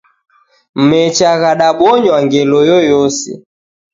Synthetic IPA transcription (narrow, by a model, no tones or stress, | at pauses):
m̩mɛt͡ʃaɣaɗaɓɔɲwaŋɡɛlɔjɔjɔsɛ̰